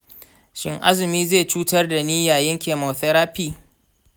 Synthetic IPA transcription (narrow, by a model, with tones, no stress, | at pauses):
ʃɪ˦ŋʔa̰˦zɪ˨miː˦zeː˦˨t͡ʃuː˦tɐ˦rda˨niː˦jaː˨jɪ˦ŋkʲeː˨mo˨θɛ˦ɾaː˦piː˦